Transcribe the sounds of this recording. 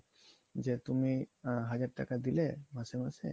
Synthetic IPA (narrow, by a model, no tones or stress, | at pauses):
d͡ʒet̪umiɦad͡ʑaʈʈa̰kad̪ilemasemasḛ